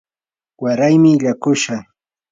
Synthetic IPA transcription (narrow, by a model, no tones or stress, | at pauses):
waɾajmɪʎakʊʃa